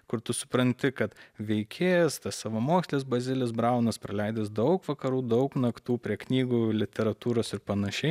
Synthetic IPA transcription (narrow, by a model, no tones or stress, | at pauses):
kʊɾt̪ʊsʊ̥pɾɐnʲt̪ʲɪkɐt̪ʋʲɛɪkʲʰeːjst̪ɐssɑːʋɐmoːksʲlʲeːs̬bɐzʲɪlʲɪsbɾɐˑʊnɐspɾɐlʲɛɪd̪ʲes̬d̪ɐʊkʋɐkɐɾuːd̪ɐʊknɐkt̪uːpʲɾʲiɛknʲiːɡuːlʲɪt̪ʲɛɾɐt̪uːɾoːsɪɾpɐnɐʃʲɛɪ